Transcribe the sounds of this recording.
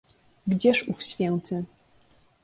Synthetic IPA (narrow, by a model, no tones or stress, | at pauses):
ɡd͡ʑɛʂufɕfʲjɛnt̪ɘ